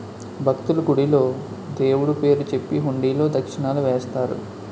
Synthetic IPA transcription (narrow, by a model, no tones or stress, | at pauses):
bʱɐk̚t̪uluɡuɽilo̞ː | d̪e̞ːwuɽupe̞ːɾut͡ʃe̞pːiɦuɳɖiːlo̞ːd̪ɐkʂiɳaːluʋɛːst̪aːɾṵ